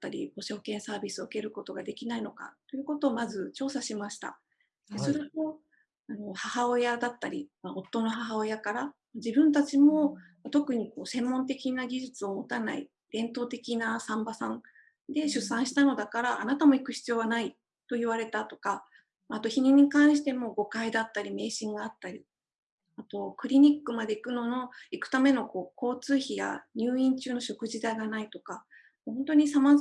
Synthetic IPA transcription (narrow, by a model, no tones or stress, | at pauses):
t̪ːaɾʲḭbo̞ɕo̞ːkẽ̞ɰ̃saːbʲisɨoɯ̥ke̞ɾɯ̟ko̞t̪o̞ɡad̪e̞kʲinaino̞ka̰tt̪ːo̞jɯ̟ko̞t̪o̞ːmazɨt͡ɕo̞ːsaɕimaɕi̥t̪a̰ | d̪esoɾɯ̟t̪o̞ | ano̞hahao̞jad̪at̪ːaɾʲimao̞t̪ːo̞no̞ɦaɦao̞jakaɾamad͡ʑibɯ̟̃nt̪at͡ɕimo̞mat̪o̞kɯ̟ɲ̟iko̞ːsẽ̞mːõ̞nt̪e̞kʲinaɡʲiʑɨt͡sɨo̞mo̞t̪anaḭ | d̪̥ẽ̞nt̪o̞ːt̪e̞kʲinasãmbasãn | d̪e̞ɕɨsãɰ̃ɕi̥t̪ano̞d̪akaɾaʔanat̪amo̞ikɯ̟çi̥t͡sɨjo̞ːɡanai | t̪o̞iβaɾe̞t̪at̪o̞̥ka | maːt̪o̞çiɲ̟iɲ̟ikãɰ̃ɕi̥t̪e̞mo̞ɡo̞kaid̪at̪ːaɾʲime̞ːɕĩŋɡaːt̪ːaɾʲi | at̪o̞kɯ̟ɾʲiɲ̟ikːɯ̟mad̪e̞ikɯ̟no̞no̞ikɯ̟̥t̪ame̞no̞ko̞ːko̞ːt͡sɨːçija̰ɲ̟ʲɨːĩɲ̟t͡ɕɨːno̞ɕo̞kɯ̟ʑid̪aiɡanait̪o̞ka | hõnt̪o̞ɲ̟isama